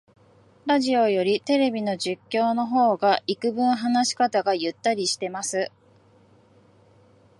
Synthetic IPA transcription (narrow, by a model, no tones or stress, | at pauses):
ɾaʑio̞jo̞ɾʲit̪e̞ɾe̞bʲino̞ʑɨkʲːo̞ːno̞ɦo̞ːɡaikɯ̟bɯ̟̃ɰ̃ɦanaɕi̥kat̪aɡajɯ̟t̪ːaɾʲiɕi̥t̪e̞masɨ